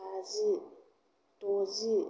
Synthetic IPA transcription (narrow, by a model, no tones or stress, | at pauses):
azi | tozi